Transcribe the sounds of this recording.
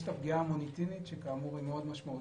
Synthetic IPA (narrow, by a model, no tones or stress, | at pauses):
ʃt̪afɡiamonit̪init̪ʃekaːmuʁimeo̞d̪maʃmau